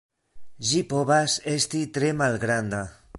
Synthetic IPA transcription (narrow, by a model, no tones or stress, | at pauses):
ʒipoβasest̪it̪ɾemalɣɾand̪a